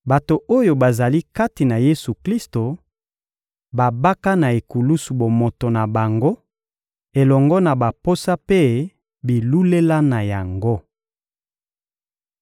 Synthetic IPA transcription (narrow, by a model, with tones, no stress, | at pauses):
ba˨to˨ʔo˦jo˨ba˨za˨li˦ka˦ti˨na˨je˦su˨kli˦sto˨ | ba˨ba˦ka˦na˨e˨ku˨lu˦su˨bo˨mo˨to˨na˨ba˨ŋɡo˦ | e˨lɔ˨ŋɡɔ˦na˨ba˨po˦sa˦pe˦ | bi˨lu˦le˦la˦na˨ja˨ŋɡo˦